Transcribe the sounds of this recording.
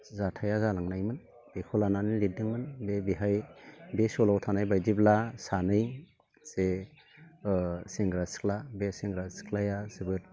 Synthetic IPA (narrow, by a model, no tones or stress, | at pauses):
zatʰajazalaŋnajmɯn | b̥ekʰɔlananilidɯŋmɯnbebiɦajbesɔlawtʰanajbajdiblasanɯj | z̥e | seŋɡɾasi̥k̚labeseŋɡɾasi̥kʰlajazibɯt̚